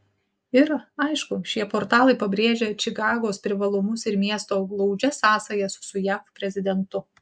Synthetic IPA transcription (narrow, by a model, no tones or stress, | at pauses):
ɪɾɐɪʃkʊʃʲiɛpoːɾt̪ɑːlˠɐɪpɐbʲɾʲeːʒʲɛt͡ʃʲɪkɑːɡoːspʲɾʲɪʋɐlˠʊmʊsɪɾmʲiɛst̪oːɡlˠɐʊd͡ʒʲɛsɑːsɐjɛsʊsʊjæfpʲɾʲɛzʲɪd̪ʲɛnt̪ʊ